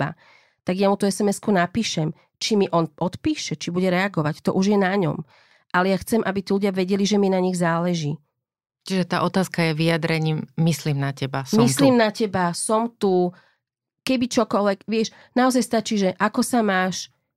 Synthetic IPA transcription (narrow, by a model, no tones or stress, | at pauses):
a̰ | t̪aɡjamut̪uɛsɛmɛskunapiːʃɛm | t͡ʃimiʔɔnʔɔt̪piːʃɛt͡ʃibuɟɛɾɛaɡɔʋact̪ɔ̰ʔuʒjɛnaɲɔ̰m | ʔalɛjaxt͡sɛmʔabit̪iːluɟɪaʋɛɟɛliʒɛminaɲiɣzaːlɛʒi | t͡ʃiʒɛt̪aːʔɔt̪aːskajɛʋijad̪ɾɛɲiːmːisliːmnacɛbasmisliːmnacɛbasɔmt̪u | kɛbit͡ʃɔkɔlʋɛkʋɪɛʃ | naɔzajst̪at͡ʃiʒɛʔakɔsamaːʃ